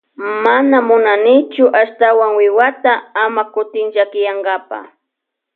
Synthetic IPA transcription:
manamʊnanɪt͡ʃʊʔaʃt̪awaŋwɪwat̪aamakʊt̪ɪŋʒakɪjaŋɡapa̰

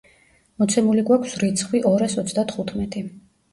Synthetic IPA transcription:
mɔt̪sʰɛmuliɡwakʰsɾit̪sʰχwiʔɔɾasɔt̪sʰd̪at̪ʰχut̪ʰmɛt̪ʼi

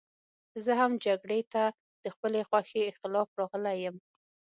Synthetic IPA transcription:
zəhamd͡ʒaɡɽet̪a | d̪̥əxpəlexwaxeɪxt̪ɪlɑfɾɑɣəlajəm

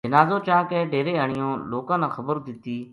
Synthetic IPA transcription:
d͡ʒənaːzoːt͡ʃãːkẽːɖeːɾeːəɳ̃ɪjõːloːkãːnãːxəbəɾd̪ɪt̪iː

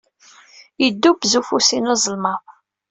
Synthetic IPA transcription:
jəd̪ːubzufusinɑzˤəlmɑ

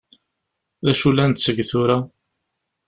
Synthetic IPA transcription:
ðæʃulːænt̪səɡθʊɾa

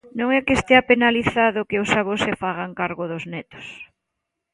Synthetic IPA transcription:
nõŋɛkest̪eapenaliθaðʊkeʊsaβosefaɣ̞aŋkaɾɣʊðʊznɛt̪ʊ̥s

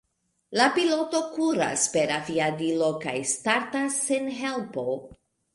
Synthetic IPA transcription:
lapilo̞to̞kuɾa̰spe̞ɾaviadilo̞ka̰jstaɾtasːenɦe̞lpo̞

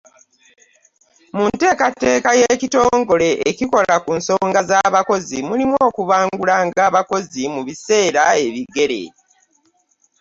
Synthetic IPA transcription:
munte̞ːkatːe̞ːkaje̞cito̞ːŋɡo̞le̞ʔeciko̞lakunso̞ːŋɡazaβako̞zimulimwoːkuβaːŋɡulaŋɡaːβako̞zimuβise̞ːɾae̞βiɡe̞ɾe̞̰

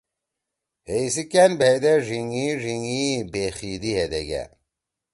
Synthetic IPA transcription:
hejsikænbʱejd̪eʐiŋiʐiŋibexiːd̪iɦed̪eɡæ̰

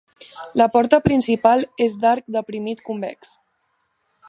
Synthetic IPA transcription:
ləpɔɾt̪əpɾinsipalˠezd̪aɾk̚d̪əpɾimit̪kumbɛ̰ks

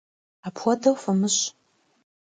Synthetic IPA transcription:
apʰwʷɔdɐwfɐmɨɕ

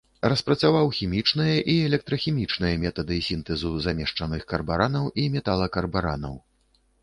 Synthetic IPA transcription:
rɐspɾɐt̪savawxʲimʲit͡ʂnɨjɐʔiɛlʲɛk̚t̪ɾɐxʲimʲit͡ʂnɨjɐmʲɛt̪ɐd̪ɨsʲint̪ɛzuzamʲɛʂt͡ʂɐnɨxkɐrbaɾanɐwʔimʲɛt̪alˠɐkɐrbaɾa̰nɐ̰w

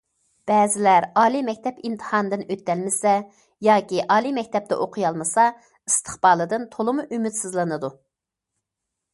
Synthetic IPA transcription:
b̥ɛːzɪlæɾɑːlˠimɛkʲt̪ʰɛpimt̪ʰə̥hɑnɨd̪ɨnøt̪ːɛlmɪsɛ | jɑːkʲiʔɑːlˠimɛkʲt̪ʰɛp̚t̪ɛ̰ʔoqʰʊjɑlˠmɨsɑ | ist̪ʰə̥χbɑːlˠɨd̪ɨnt̪ʰolˠɨmuʔymyt̪sɨzlˠɨnɨd̪u

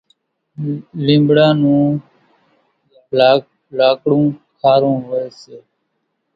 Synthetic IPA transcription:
lĩːmbɽãːnũː | laːkɽũːkʰaːɾũːɦeːseː

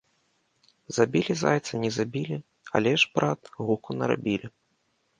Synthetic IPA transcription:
zabʲilʲiza̰jt̪sɐnʲɛzabʲilʲi | a̰lʲɛʐbɾat̪ɣukunɐɾa̰bʲilʲi

